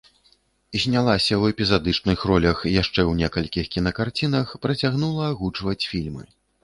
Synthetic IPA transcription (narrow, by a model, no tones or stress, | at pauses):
izʲnʲalˠasʲɐwɛpʲizad̪ɨt͡ʂnɨxrɔlʲɐxjaʂt͡ʂɛwnʲɛkɐlʲkʲixkʲinɐkart͡sʲinɐxpɾɐt͡sʲaɣnulˠɐaɣut͡ʂvɐt͡sʲfʲilʲmɨ̰